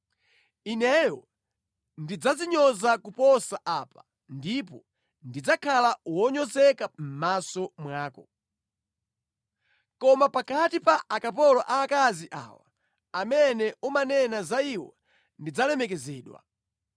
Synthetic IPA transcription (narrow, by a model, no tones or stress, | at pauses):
inɛjɔ | ndid͡zaziɲɔzakupɔsaʔaːpa | ndipɔ | ndid͡zakʰalawɔɲɔzɛkam̩masɔmwaːkɔ | kɔmapakatipaʔakapɔlɔʔaːkaziʔa̰ːwa | amɛnɛumanɛnazaiwɔ̰ | ndid͡zalɛmɛk̬ɛzɛːɗwa̰